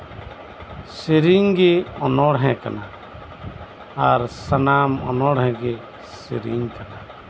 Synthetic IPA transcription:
siɾiŋɡɛɔnɔɽɦɛ̃ka̰na | aɾsanamɔ̰nɔɽɦɛ̃ɡɛ | siɾiŋkana

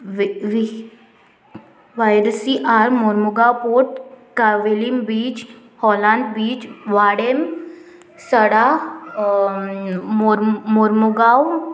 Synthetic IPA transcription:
ʋaːjɾsiʔaːɾmoɾmʊɡaːwpoːɾʈkaʋilimbiːt͡ʃ | hɔːlãːnd̪biːt͡ʃʋaːɽem | səɽaː | mmoɾmʊɡaːw

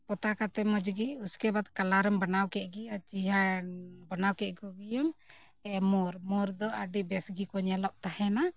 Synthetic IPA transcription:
pɔt̪akat̪ɛmɔd͡ʒɡiuskɛbat̪kalaɾɔmbanawkɛʔ̪̚ˀɡijat͡ʃiɦabanawkɛʔ̪̚ˀɡɔɡijɔm | ɛmɔɾmɔɾd̪ɔʔəɖibɛsɡikɔɲalɔʔ̚t̪ahɛna

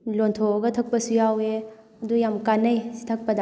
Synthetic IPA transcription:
lontʰoɡɐtʰɐk̚pɐsujawe | ɐdujamkanɐjsi̥tʰɐk̚pɐda

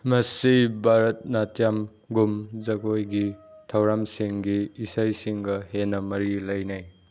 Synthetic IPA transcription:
mɐsibʱaɾɐt̚natjam | ɡumzɐɡojɡitʰɐwɾamsiŋɡiːsajsiŋɡɐhenɐmɐɾilɐjnaj

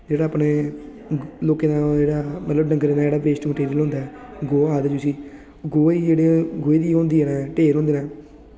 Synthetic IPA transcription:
d͡ʒeːɽaːaːpneː | loːkeːnãːd͡ʒeːɽaːmə̰t̪ləbnə̃ŋɡəɾeːnaːd͡ʒeːɽaːʋeːsʈməʈeːɾiəlɦʊ̃nd̪aːɛːɡoːaːd̪ad͡ʒʊsiː | ɡoːiːd͡ʒeːɽeːɡoːeːd̪iːɦõːnd̪iːɛːnaːʈeːɾɦõːnd̪eːnãː

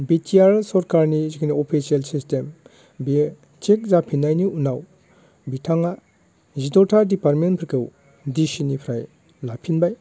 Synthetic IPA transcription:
bitʰiaɾsɔɾkaɾnizikʰiniopʰisielsistem | bi | t͡ʃek̚zapʰinːajniunaw | bitʰaŋa | zitɔtʰaɾdipaɾmenpʰiɾkʰew | disinipʰɾaj | lapʰinbaj

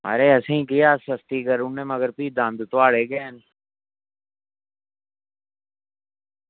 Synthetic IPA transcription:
ɐ̰ɾeɛsĩkijaːsɐst̪ikəɾunnemɐɡəɾpiːd̪ãːnd̪t̪ʊʋaːɽeːɡeːn

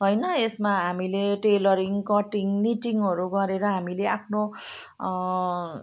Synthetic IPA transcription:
ɦʌjnʌesmaɦamileʈelʌɾiŋkʌʈiŋniʈiŋɦʌɾuɡʌɾeɾʌɦamileʔapʰno

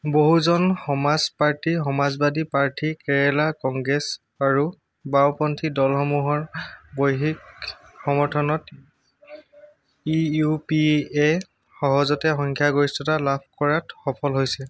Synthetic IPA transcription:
boɦuzɔnxɔmazpaɹtixɔmazbadipaɹtʰikɛɹɛlakɔŋɡɹes | aɹu | bawpɔntʰidɔlxɔmuɦɔɹbojɦik | xɔmɔɹtʰɔnɔt | iupie | xɔɦɔzɔtɛxɔŋkʰjaɡoɹistɔtalabʱkɔɹatxɔpʰɔlɦojsɛ

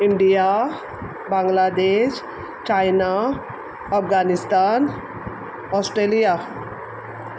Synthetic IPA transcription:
iɳɖija | baŋɡlad̪eːʃ | t͡ʃajna | əfɡanist̪an | ɔsʈɾelija

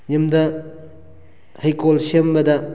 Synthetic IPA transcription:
ɲimdɐ | hɐjkolsembɐdɐ

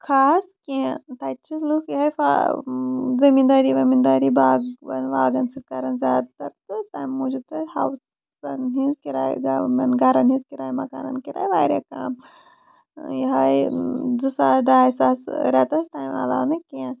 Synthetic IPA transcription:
kʰaːskẽt̪at͡ʃʰilukjɐɦɐjfa̰ | zɐmind̪aːɾiːʋɐmind̪aːɾiːbaːɡbɐ̰nʋaːɡɐnsit̪̚kɐɾɐnzʲaːd̪t̪ɐɾt̪ɨt̪aːjmːoːd͡ʒub̚t̪ɐjha̰ws | ɐnɦizkiɾa̰ːjɡamɐnɡɐɾɐnɦĩzkiɾaːjmɐka̰ːɾɐ̰nkiɾa̰ːjʋaːjɾḛka̰ːm | jiɦɐjd͡zɨsad̪aːjsaːsɾɛt̪ɐst̪aːjma̰la̰ːmɐkẽː

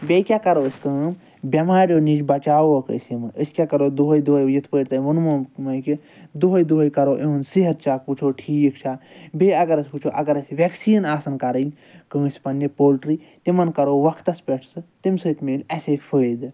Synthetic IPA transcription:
bʲekʲaːkɐɾoːəsʲkəːm | bʲɐmaːɾjoːnid͡ʒbɐt͡ʃaːoɐkə̰sʲimɨʔəsʲkʲakɐɾoːd̪uɦɐjd̪uɦɐjjit̪ʰpəːɾt̪ɐʋɐnmɐːmɐki | d̪oɦɐjd̪uɦɐjkɐɾoːʔeunsiɦɐt̪̚t͡ʃʰaːput͡ʃʰoːʈʰiːkt͡ʃʰaːbeɐɡɐɾɐsʲput͡ʃʰoːʔɐɡɐɾɐsʲʋeksiːnaːsɐnkɐɾəlʲ | kə̃ːsʲpɐnːepoːlʈɾi | t̪imɐnkɐɾoːʋɐkʰt̪ɐsʲpʲeʈʰsɨt̪imsəːt̪ʰmeːlʲɐsepʰəd̪

